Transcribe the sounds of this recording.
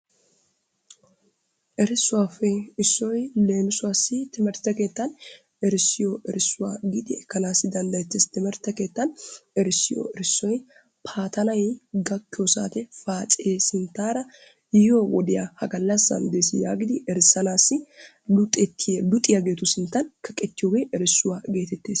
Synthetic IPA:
ʔɛɾɪsːʊwaːfɛɪsːɔjle̞ːnʊsʊwaːsːɪt̪ɪmɛɾt̪ɐke̞ːt̪ːɐn | ɛɾɪsɪjoʔɛɾɪsːʊwaːɡid̪ɪɛkːɐnaːsːɪd̪ɐnd̪ɐjɛt̪ːɪst̪ɪmɛɾt̪ːɐke̞ːt̪ːɐnɛɾɪsːɪjo̰ɛɾɪsːɔj | pʰaːt̪ɐnɐjɡɐkːɪjosa̰ːt̪ɛfaːt͡sʼjeːsɪnt̪ːaːɾɐ | jɪjoːwɔ̰d̪ɪjahɐɡɐlːɐsɐ̰nd̪esɪjaːɡɪd̪ɪɛɾsːɐnaːsːɪ | lʊt̪ʼɛt̪ʰːɪlʊt̪ʼːɪjɐɡe̞ːt̪ʊsɪnt̪ːɐnkɐkʼɛt̪ːɪjoːɡeʔɛɾɪsːʊwaːɡe̞ːt̪ɛt̪ːeːs

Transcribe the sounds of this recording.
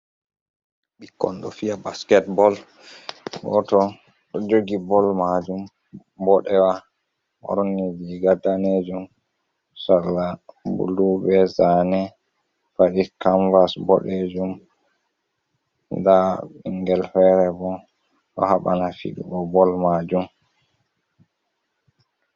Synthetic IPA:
ɓikːɔ̰ndɔfiabaskɛtbɔl | bɔ̰tɔ | ɗɔd͡ʒoɡibɔlmad͡ʒum | bɔɗɛwa | mɔ̰ɾɔnid͡ʒiɡadaned͡ʒum | salːabṵlubɛzanɛ | faɗikamvasbɔ̰ɗed͡ʒum | daɓiŋɡɛlfɛɾɛbɔ | ɗɔ̰haɓa̰nafḭɗubɔbɔlmad͡ʒum

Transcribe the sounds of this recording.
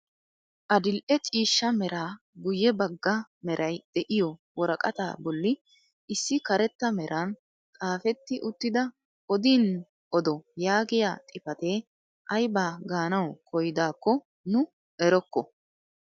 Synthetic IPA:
ʔɐd̪ɪlʔɛt͡ʃʼiːʃːɐmɛɾaː | ɡʊjːɛbɐɡːɐmɛɾʔɐjd̪̥ɛʔɪjɔwɔɾɐkʼɐt̪a̰ːbɔlːɪ | ʔɪsːɪkɐɾɛt̪ːɐmɛɾʔɐn | kʼaːfɛt̪ːɪʔʊt̪ːɪd̪ɐ | ʔɔd̪iːn | ʔɔd̪ɔjaːɡɪja̰ːt̪ʼɪfɐt̪eː | ʔɐjbaːɡaːnɐwkʰɔjd̪aːkːɔ | nʊ | ɛɾɔkːɔ

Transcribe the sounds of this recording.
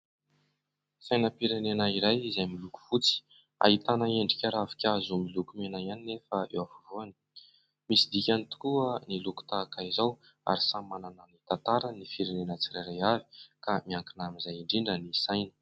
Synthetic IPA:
sajnəpiɾenenaiɾajizajmiluku̥fut͡si̥ | a̰ɦit̪anaeɳɖ͡ʐikʲaɾavi̥kʲazumilukumenajaninefaḛwavuvoani̥ | misid̪ikʲanit̪u̥kuəniluku̥t̪akaizaw | a̰ɾisamanananit̪ant̪aɾanifiɾenenət͡sirajɾajavi̥kamiaŋkinamizajiɳɖ͡ʐiɳɖ͡ʐənisajnə̥

